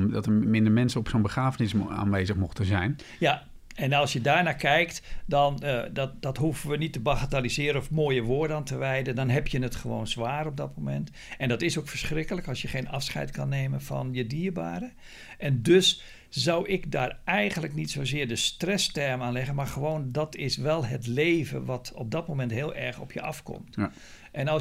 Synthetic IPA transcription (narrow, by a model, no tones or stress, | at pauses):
dɔtəmɪndəɹmɛnsəɔpsoːnbəχaːvənɪsa̰ːnʋeːzəχmɔxtəzɛjn | ja | ɛnɑlˠsjədaːɹnaːkɛjk̚tdɔndɔdɔtɦuvəʋənitːəbaɣatalizɪːɾənɔfmoːjəʋoːɹdəantəʋɛjdəndɔnɦɛpjənətχəʋo̰ːnzʋaːɾɔb̚dɔtmomɛ̰nt | ɛndɔtɪsowkfərsχrɪkələkɑlˠsjəχeːnɑfsχɛ̰jtkɑnːeːmənfɑ̰njədiːərba̰ːɾə | ʔɛndøs | zawʔɪkdaːrɛjɣəndləknitsoːzɪːrdəstrɛstɛrmaːnlɛɣənmarχəʋoːndɔtɪsʋɛlˠɦətleːvə̰ʋɑtɔp̚b̚dɔt̚mowmɛntɦɪːlˠʔɛɹχɔpʰjə̰ɑ̰fkɔ̰mt | ʔɛnɑ